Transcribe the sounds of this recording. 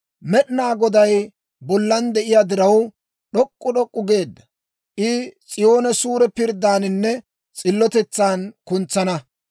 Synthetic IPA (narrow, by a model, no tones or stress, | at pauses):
mɛɗɪnaːɡɔd̪ɐj | bɔlːɐnd̪ɛʔɪjaːd̪ɪɾɐw | ɗɔkʼːʊɗɔkʼːʊɡe̞ːd̪ːɐ | ʔɪt͡sʼɪjo̞ːnɛsuːɾɛpɪɾd̪ːaːnɪnːɛ | t͡sʼɪlːɔt̪ɛt͡sːaːnkʊnt͡sːɐnɐ